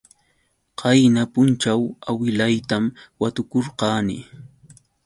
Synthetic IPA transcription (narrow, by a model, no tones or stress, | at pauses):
qɑjnapʊnt͡ʃawawɪlajt̪amwat̪ʊkoɾqɑːnɪ̰